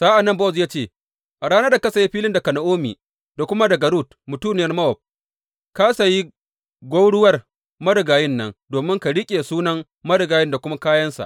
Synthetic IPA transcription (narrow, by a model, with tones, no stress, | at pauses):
saː˦ʔa˨nːɐ˦˨mba˦˨zjaː˦t͡ʃeː˦˨ | ʔa˨ɽaː˦nɐ˦da˨ka˦sa˨ji˦ɸiː˦lɪ˦nda˨ka˨na˨ʔoː˦mḭ˨ | da˨kʷʊ˦ma˦dɐ˨ɡa˨ɾuː˦˨t | mʊ˨tuː˦˨nɪ˨jɐ˦rmɐ˦ɔ˨p̚ | ka˦sa˨ji˦ | ɡʷo˦wɽʊ˦wɐ˦r | mɐ˦dɪ˨ɡaː˨jɪ˦nːɐ˦ŋdoː˨mɪ˦ŋka˨ɽɪ˦kʲʼeː˨suː˦nɐ˦ŋ | mɐ˦ɽɪ˨ɡaː˨jɪ˦nda˨kʷʊ˦ma˦kaː˦jɐ˦nsa̰˨ʔ